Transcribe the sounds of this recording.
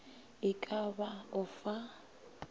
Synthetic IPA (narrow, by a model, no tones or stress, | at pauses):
ɪkʼabaʊfa